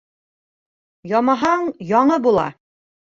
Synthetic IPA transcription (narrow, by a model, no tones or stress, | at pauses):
jɒmɑɦɑɴjɒɴɤbulˠɑ̰